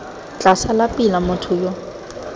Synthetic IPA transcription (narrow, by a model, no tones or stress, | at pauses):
t͡ɬʼasalapʼilamʊtʰʊːjɔ